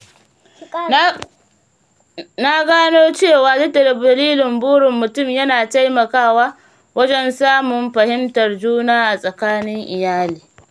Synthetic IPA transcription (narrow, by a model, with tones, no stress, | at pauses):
na˦ɡaː˦noː˦t͡ʃeː˦˨waː˨dʊ˦da˨dɐ˨bdɐ˨liː˦lɪ˨mbʊː˦ɽɪ˨mːʊ˨tʊ˦˨mjɐ˦naː˨ta˦jmɐ˨kaː˦waː˦ | wʔɐ˦d͡ʒɛ˦nsaː˦mʊ˨mɸɐ˨hɪ˦mtɐ˨rd͡ʒuː˦naː˦ʔa˨sʼɐ˨kaː˦nɪ˦ŋʔɪ˨jaː˦liː˨